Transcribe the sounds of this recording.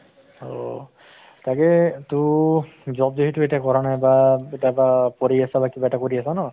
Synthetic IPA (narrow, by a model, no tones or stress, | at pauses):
o̰ | takɛtʊ | zɔb̚deɦitʊetakɔɹanajbaetabapɔɹiasabakibaɛtakoɹiasanɔ